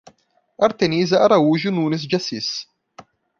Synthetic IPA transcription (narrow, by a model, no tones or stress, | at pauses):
ɐɾt̪enizɐaɾauʒununɪs̬d͡ʒasis